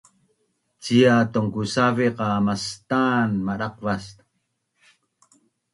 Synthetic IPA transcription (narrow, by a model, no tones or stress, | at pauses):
t͡siat̪oŋkusaviqɑmast̪anmaɾaq̚vast̪